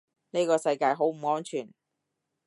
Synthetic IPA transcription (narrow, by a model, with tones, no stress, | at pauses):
ne˥kɔː˧sɐ˧jkaː˧jɦo˨˥wm̩˨˩ŋɔː˥nt͡ʃʰyː˨˩n